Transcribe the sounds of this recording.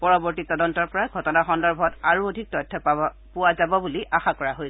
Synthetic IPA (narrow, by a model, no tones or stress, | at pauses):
pɔɹɔbɔɹtitɔdɔntɔɹpɔɹaɡʱɔtɔnaxɔndɔɹbʱɔɔtaɹuodʱik̚tɔjtʰːɔ | puwazabɔbuliʔaxakɔɹaɦoj